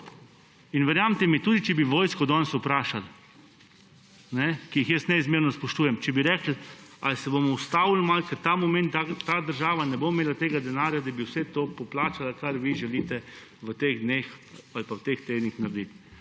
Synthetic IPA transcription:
inʋɛɾjamt̪ɛmit̪uːd̪it͡ʃɛbiʋoːjskɔd̪ɔnsupɾaːʃal | nɛkijixjəsnɛizmeːɾnɔspɔʃt̪uːjɛmt͡ʃɛbiɾɛːkl̩alsɛbomɔwst̪awl̩malkət̪amɔment̪at̪ad̪əɾʒaːʋanɛbomeːlat̪eːɡad̪ɛnaːɾjad̪abiwsɛt̪oːpɔplaːt͡ʃalakaɾʋiʒɛliːt̪ɛ | ʋət̪eɣd̪nexalpawt̪ext̪eːd̪nixnaɾd̪it̪

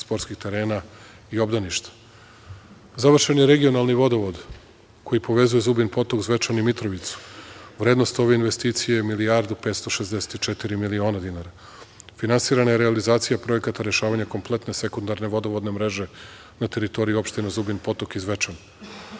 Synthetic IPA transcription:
spo̞ɾt̪skixt̪e̞ɾe̞ːna | io̞bd̪aniʃt̪ḁ | zaʋr̩ʃenjeɾe̞ɡio̞nalˠniʋo̞d̪oʋod̪ | ko̞jipo̞ʋe̞zuje̞zubinpo̞t̪okzʋe̞t͡ʃanimit̪ɾoʋit̪su̥ʋɾeːd̪no̞st̪o̞ʋe̞inʋe̞st̪iːt̪sijemiliaɾd̪upet̪st̪o̞ʃezd̪ese̥t̪it͡ʃet̪iɾimilio̞ːnad̪inaɾa | finansiːɾanajeɾealizaːt̪sijapɾo̞je̞kat̪aɾe̞ʃaːʋaɲako̞mple̞t̪ne̞se̞kund̪aɾne̞ʋo̞d̪oʋod̪ne̞mɾe̞ʒe̞ | nat̪e̞ɾit̪o̞ɾijiuo̞pʃt̪enazubinpo̞t̪okizʋe̞t͡ʃan

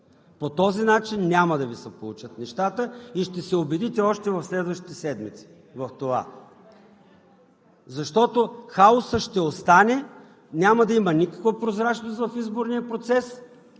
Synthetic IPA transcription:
pot̪ɔzinat͡ʃinːʲaməd̪ɐvisɛpolˠut͡ʃət̪nɛʃt̪at̪əiʃt̪ɛsɛobɛd̪it̪ɛɔʃt̪ɛvɐfslɛd̪vəʃt̪i̥t̪ɛsɛd̪mit̪si̥ | vɐft̪ova̰ | zɐʃt̪ɔt̪oxaosəʃt̪ɛost̪anɛ | nʲaməd̪ɐimənikə̥kvəpɾozɾat͡ʃnost̪vɐfizboɾnijəpɾot̪sɛs

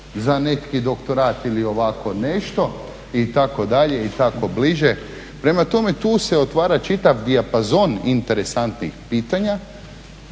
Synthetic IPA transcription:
zane̞t̪kid̪o̞kt̪o̞ɾaːt̪ilio̞ʋako̞ne̞ʃt̪o̞ | it̪ako̞d̪aʎe̞it̪ako̞bliʒe | pɾe̞mat̪o̞me̞t̪uːse̞ot̪ʋaːɾat͡ʃit̪aʋd̪iapazo̞nint̪e̞ɾesant̪nḭxpiːt̪aɲa

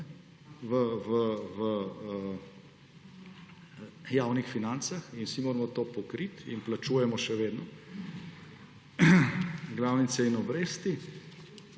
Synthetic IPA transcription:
ʋəʋəʋəə | jaːwnixfinant̪saxinsimoːɾmɔt̪oːpɔkɾit̪ḭnplat͡ʃuːjɛmɔʃɛʋeːd̪nɔ | ɡlawnit̪sɛinɔbɾeːst̪i

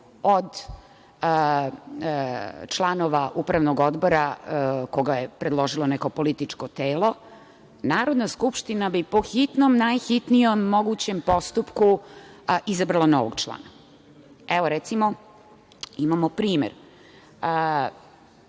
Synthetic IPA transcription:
od̪ | t͡ʃlˠanoʋaʔupɾaʋnoɡo̞d̪bo̞ɾako̞ɡajepɾed̪lˠo̞ʒilˠaneko̞po̞lit̪it͡ʂkot̪eːlo̞ | naːɾo̞d̪naskupʃt̪inabipoxit̪nomnajxit̪nijomːo̞ɡut͡ɕempo̞st̪upku | ʔizabɾalˠano̰ʋoɡt͡ʃlˠa̰ːna | eʋoɾɛt̪simo | imamopɾiːmḛɾ | ə

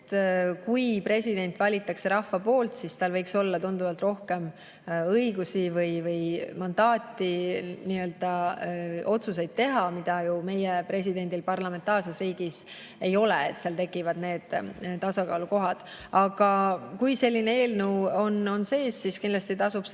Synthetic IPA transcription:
t̪kujpre̞sʲid̪e̞nʲt̪ːˑvɑlʲit̪ːˑɑkse̞ɾɑfːɑpo̞ːlt̪sist̪ɑlvɤjkso̞lːɑt̪und̪̥uvɑlt̪ro̞hke̞m | ɤjɡusivɯjvɯjmɑnd̪ɑːt̪ːˑiniːø̞ːld̪̥ɑ | o̞t̪sus̬e̞jd̪̥̚t̪ːe̞ɦɑmid̪̥ɑjume̞jepre̞sʲid̪e̞nʲd̪̥ilpɑrlɑme̞nt̪ˑɑːrse̞sriːɡ̥is | e̞jo̞leḛt̪seɑlt̪e̞kːˑivɑd̪ne̞ːd̪̥t̪ːɑsɑkɑːluko̞ɦɑd̪̥ | ɑɡ̥ɑkujse̞lʲːinee̞ːlnuwo̞no̞nse̞ːsːiskinlɑst̪it̪ɑsub̥

